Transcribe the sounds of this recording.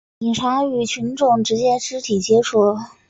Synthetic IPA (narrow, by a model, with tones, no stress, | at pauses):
i˨˩ŋʈ͡ʂʰa˧˥y˧˨˩t͡ɕʰy˧˥nʈ͡ʂʊ˥˩ŋʈ͡ʂɻ̩˧˥t͡ɕjɛ˥ʈ͡ʂɻ̩˧˥t̪ʰi˨˩t͡ɕjɛ˥ʈ͡ʂʰu˥˩